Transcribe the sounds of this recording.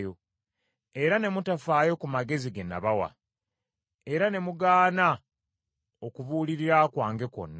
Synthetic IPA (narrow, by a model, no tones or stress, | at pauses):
jo | e̞ɾane̞mutafaːjo̞kumaɡe̞ziɡena̰βawa̰ | e̞ɾane̞muɡaːna | okuβuːliɾiɾakwaːŋɡe̞ko̞̰nːa